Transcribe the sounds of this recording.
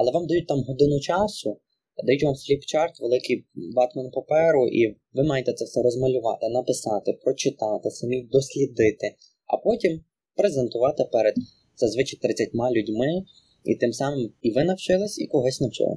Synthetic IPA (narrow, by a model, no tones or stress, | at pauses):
ɐlˠɛʋɑmd̪ɐjut̚ʲt̪ɑmɦɔd̪ɪnʊt͡ʃɑsʊ | d̪ɐjutʲʋɑmfʲlʲipt͡ʃɑrt̪ʋelˠɪkijbɑt̪mɐnpɐpɛɾʊʔi | ʋɪmɑjet̪ɛt̪sɛfsɛɾɔzmɐlʲʊʋɑ̰t̪ɪnɐpɪsɑt̪ɪpɾɔt͡ʃɪt̪ɑt̪ɪsɐmʲid̪ɔsʲlʲid̪ɪt̪ɪ | ɐ̰pɔtʲim | pɾezent̪ʊʋɑt̪ɪpɛɾed̪ | sɛzʋɪt͡ʃɪt̪ɾɪt͡sʲːɐtʲmɑlʲudʲmɪ | ḭt̪ɪmsɑmɪmiʋɪnɐwt͡ʃɪlˠɪsʲikɔɦɔsʲnɐwt͡ʃɪ̰lˠɪ̰